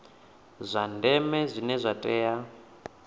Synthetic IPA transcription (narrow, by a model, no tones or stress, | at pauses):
zʷandɛmɛzʷinɛzʷatʼɛːja